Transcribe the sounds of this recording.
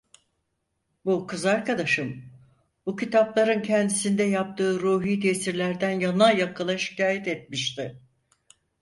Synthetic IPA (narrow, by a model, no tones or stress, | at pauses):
bukʰɯzaɾkad̪aʃɯm | bucit̪ʰaplˠaɾɯncʰɛnd̪isind̪ɛjap̚t̪ʰɯːɾuːɦiːd̪iesiɾlʲæɾd̪ænjanajakʰɯlˠaʃi̥caːjɛt̪ɛt̪̚miʃt̪ɪ